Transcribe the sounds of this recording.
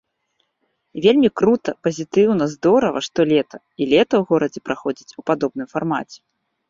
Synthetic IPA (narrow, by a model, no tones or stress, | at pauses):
vʲelʲmʲikɾut̪ɐpɐzʲit̪ɨwnɐzd̪ɔɾɐvɐ̰ʂt̪ɔlʲɛt̪ɐ | ilʲɛt̪ɐwɣɔɾɐd͡zʲɛpɾʔaxɔd͡zʲit͡sʲupad̪ɔb̚nɨmfarmat͡sʲɛ̥